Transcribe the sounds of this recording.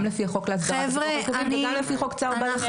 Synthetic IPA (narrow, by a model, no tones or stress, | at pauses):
mlefiaχokleas̬d̪aʁevʁeviiamlefiχokt͡saʁbaa